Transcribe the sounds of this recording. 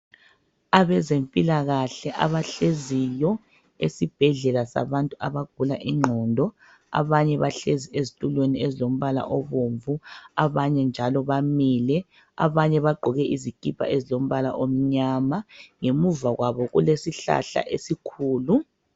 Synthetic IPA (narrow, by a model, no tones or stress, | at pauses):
aβɛzempʼilaɣaɬɛʔa̰βaɬezijɔ | esib̥ʱɛɮɛlasa̰βantʼuaβaɡ̥ʱulaʔiŋ͡ǃʱɔːndʱɔ | a̰βaɲɛβaɬeziezitʼulweniezilom̩βala̰ʔoβuɱvuaβaɲɛnd͡ʒʱalɔβamiːlɛ | a̰βaɲɛβaɡ͡ǃʱɔɣɛʔizikʼipʰa̰ʔezilom̩βala̰ʔom̩ɲamaŋemuvaɣwaβɔɣulesiɬa̰ɬa̰ʔesikʰuːlu